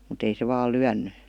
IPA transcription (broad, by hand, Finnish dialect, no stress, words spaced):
mut ei se ʋɑːl̆ lyænːy